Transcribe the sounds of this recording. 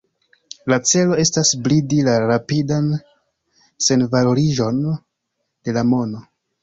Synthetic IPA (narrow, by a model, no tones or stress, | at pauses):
lat͡se̞lo̞e̞stasblidilaɾapidan | se̞nvalo̞ɾiʒo̞n | d̥e̞lamo̞no̞